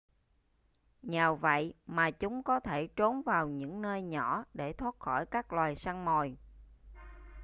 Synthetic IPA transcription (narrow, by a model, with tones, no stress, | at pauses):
ɲaː˨˩wvə̰˧˨jmaː˨˩t͡ɕʊ˨˦ŋ͡mkɔ˨˦t̪ʰe˧˩t͡ɕo˨˦nvaː˨˩wɲɨ̰˧˥ŋnəː˧jɲɔ˧˩ɗe˧˩t̪ʰwaː˦˥t̚xɔ˧˩jkaː˦˥k̚lwaː˨˩jsaː˧ŋmo˨˩j